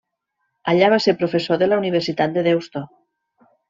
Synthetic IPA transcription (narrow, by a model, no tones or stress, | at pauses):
aʎaβ̞aseɾpɾofesoðelauniβ̞eɾsit̪at̪̚d̪eðewst̪o